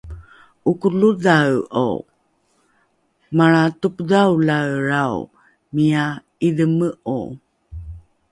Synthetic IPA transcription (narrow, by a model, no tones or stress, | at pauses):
ʔukuluðawo̰ | maɭatupdawlaɾaw | mija | iðəməʔṵ